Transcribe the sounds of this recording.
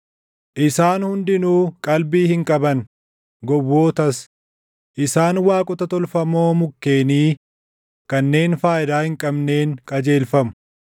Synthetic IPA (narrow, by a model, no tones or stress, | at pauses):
ʔɪsaːnhʊnd̪ɪnuːkʼɐlbiːhɪŋkʼɐbɐn | ɡɔwːo̞ːt̪ɐs | ʔɪsaːnwaːkʼʊt̪ɐt̪ɔlfɐmo̞ːmʊkːe̞ːniː | kɐnːe̞ːnfaːjɪd̪aːhɪŋkʼɐbne̞ːnkʼɐd͡ʒe̞ːlfɐmʊ̥